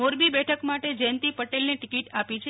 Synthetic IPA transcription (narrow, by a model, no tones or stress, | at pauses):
oɾbibɛʈʰəkmaʈed͡ʒɛnt̪ipəʈelneʈɪkiʈapit͡ʃʰe